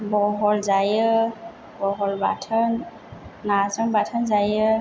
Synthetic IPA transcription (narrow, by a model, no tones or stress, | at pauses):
bɔɦɔlzajə | bɔɦɔlbatʰənː | azəŋbatʰənzajə